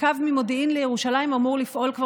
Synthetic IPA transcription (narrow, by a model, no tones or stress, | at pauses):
avmimo̞d̪iʔinlejeʁuʃalaimamuʁlifʔo̞lkva